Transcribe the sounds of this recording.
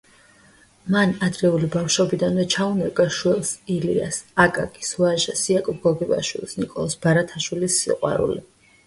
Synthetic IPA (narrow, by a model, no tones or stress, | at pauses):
manad̪ɾɛulibafʃɔbid̪anvɛt͡ʃʰaunɛɡaʃwɛlˠsilḭa̰sakʼa̰kʼisuaʒasiakʼɔɡɔɡiba̰ʃwḭlˠsnikʼɔlˠɔsb̥aɾat̪ʰaʃwilisːḭqʼwa̰ɾṵli